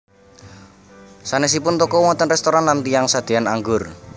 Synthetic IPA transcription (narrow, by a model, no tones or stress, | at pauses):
sanes̬ipʊnt̪ɔkɔwɔnt̪ənrɛst̪oɾanlant̪ijaŋsad̪̥e̤anaŋɡʊr